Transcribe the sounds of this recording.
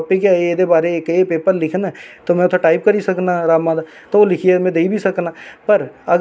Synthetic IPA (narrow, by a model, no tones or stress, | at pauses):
pːikaed̪ebaːɾeːkepeːpəɾlɪkʰnat̪omɛ̃ʊt̪ʰeʈaːɪp̚kɐɾisɐknaɾaːmãd̪a | t̪oʋolɪkʰiemɛ̃d̪eːibʱisɐknaːpɐɾɐɡ